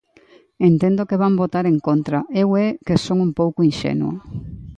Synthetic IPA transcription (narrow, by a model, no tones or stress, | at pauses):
ent̪ẽnd̪okeβambot̪aɾeŋkont̪ɾaʔewɛkesoŋumpowkʊinʃḛnua̰